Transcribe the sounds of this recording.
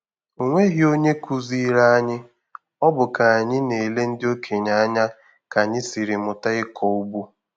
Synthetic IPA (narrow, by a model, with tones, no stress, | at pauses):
o˨ŋʷe˦ɦi˦o˦ɲe˦ku˦zi˦ɾa˦a˦ɲɪ˦ | ɔ˦bʊ˨ka˨a˨ɲɪ˦ne˨le˦n̩˦dɪ˦o˦kʰe˨ɲa˨a˦ɲa˦ | ka˨ɲɪ˦si˨ɾɪ˨mʊ˨ta˦ɪ˦kʰɔ˨u˦bu˦